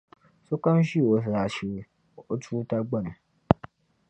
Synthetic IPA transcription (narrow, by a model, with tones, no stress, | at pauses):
so˦ka˦m˦ʃi˦˨o˨s̬a˨ʃe˨ | o˦tu˦ta˦ɡ͡ba˦nũ˨